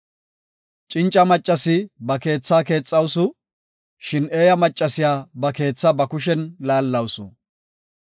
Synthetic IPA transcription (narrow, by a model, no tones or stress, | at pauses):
t͡ʃʼɪnt͡ʃʼːɐmɐt͡ʃʼːɐsɪbɐke̞ːt͡sːaːke̞ːt͡sʼːɐwsʊ | ʃɪne̞ːjɐmɐt͡ʃʼːɐsɪjaːbɐke̞ːt͡sːɐbɐkʊʃ̬ɛnlaːlːɐwsʊ̰